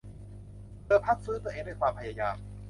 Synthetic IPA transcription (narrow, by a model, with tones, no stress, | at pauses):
tɤː˧˩pʰa˦˥˩t̪̚sɯː˦˥t̪u˧ʔeː˧ŋda˥˩kwaː˧mpʰa˧jaː˧jaː˧m